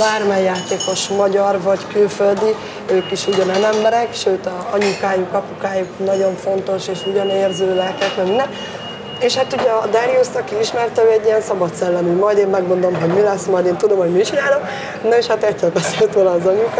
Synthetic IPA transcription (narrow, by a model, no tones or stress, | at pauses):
baːrmɛjːaːt̪eːko̞ʃmɒɟɒrvɒɟkylføld̪i | øːkiʃuɟɒnɛnɛmbɛɾɛkʃøːt̪ɒɒɲukaːjukɒpukaːjuknɒɟo̞ɱfo̞nt̪o̞ʃeːʃuɟɒneːrzøːlɛlkɛk̪mɛminɛ | eʃhat̪uɟɛd̪aɾiust̪ɒkiiʃmɛrt̪ɛøːɛɟːijɛnsɒbɒt̪sɛlːɛmymɒjd̪eːmːɛɡmo̞nd̪omɦoɟmilɛsmɒjd̪eːnt̪ud̪o̞mho̞ɟmit͡ʃinaːlok | noeʃhat̪ɛtːɛlbɛselt̪ʋoːlɒːzɒɲuk